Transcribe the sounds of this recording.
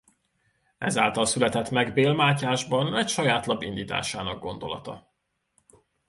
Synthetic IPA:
ɛza̰ːlt̪ɒlsylɛt̪ɛt̪mɛɡbeːlmaːcaːʒbɒnɛcʃɒjaːt̪lɒbind̪iːt̪a̰ːʃaːnɒkɡ̚ɡo̞nd̪o̞̰lɒ̰t̪ɒ̰

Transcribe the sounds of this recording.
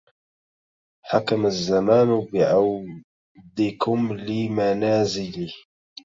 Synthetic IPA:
ħakamazːamaːnbɪʕaw | d̪ɪkʊmlɪmanaːzɪli

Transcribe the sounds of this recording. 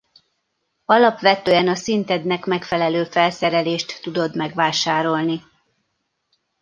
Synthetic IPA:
ɒlɒpʋɛt̪øːɛnɒsint̪ɛd̪nɛkmɛkfɛlɛløːfɛlsɛɾɛleːʃt̪ːud̪o̞d̪mɛɡʋaːʃaːɾo̞lni

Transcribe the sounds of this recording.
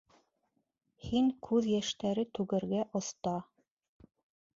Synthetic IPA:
hiŋkʰʉðjæʃt̪æɾɘt̪ʉɡɘ̆ɾɡæʔŏθt̪ɑ

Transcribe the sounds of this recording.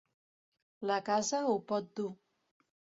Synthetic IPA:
lakazəupɔt̪̚d̪u

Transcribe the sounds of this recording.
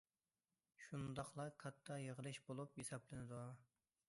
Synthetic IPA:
ʃund̪ɑχlˠɑkʰɑt̪ʰːɑjəʁəlˠɨʃbolˠupjesɑblɪnɪd̪u

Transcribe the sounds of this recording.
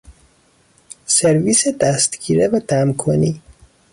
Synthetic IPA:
seɾviːsed̪æst̪ɡiːɾevæd̪̥æmkʰoni

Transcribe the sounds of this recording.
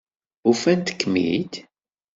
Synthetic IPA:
ufænt̪ə̥kːmḭt̪

